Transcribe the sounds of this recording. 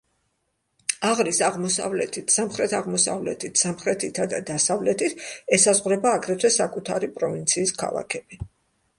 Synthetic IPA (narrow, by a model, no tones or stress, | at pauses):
aʁɾisaʁmɔsa̰vlɛt̪ʰit̪ʰsamχɾɛt̪ʰaʁmɔsa̰vlɛ̰t̪ʰit̪ʰsamχɾɛt̪ʰit̪ʰad̪ad̪asavlɛt̪ʰit̪ʰɛsazʁɾɛbaːɡɾɛt̪ʰwɛsakʼut̪ʰaɾipʼɾɔvint̪sʰiːskʰa̰lˠa̰kʰɛbi